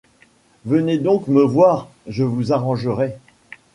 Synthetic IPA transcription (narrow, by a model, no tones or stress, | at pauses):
vəned̪ɔ̃kməvwaːʁ | ʒəvuzaʁɑ̃ʒəʁɛ